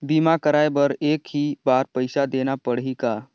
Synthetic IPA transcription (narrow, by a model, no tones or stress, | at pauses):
bimakəɾajbəɾeːkɦibaɾpəɪsad̪enapəɽɦika